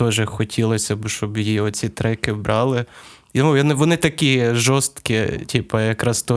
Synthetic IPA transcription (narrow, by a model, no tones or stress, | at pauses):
t̪ɔʒɛxɔtʲilˠɔsʲɐbʃt͡ʃɔbjiɔt͡sʲit̪ɾɛkɪbɾʔɑlˠɪ | ɔjɔnɪʋɔnɪt̪ɐkʲiʒɔst̪kʲitʲipɐjɐkɾɑst̪ɔ